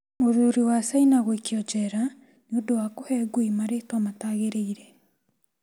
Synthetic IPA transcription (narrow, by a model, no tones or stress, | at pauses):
moɾuːɾiwasainaɣwekjɔd͡ʒɛɾa | neodowakohɛɡuimaɾeːtwamataːɣeɾeiɾɛ